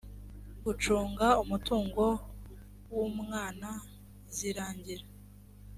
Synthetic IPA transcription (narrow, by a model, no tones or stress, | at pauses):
ɡut͡ʃuːŋɡaumutuːŋɡo̞ | wumŋaːna | ziɾaːɲɟiɾa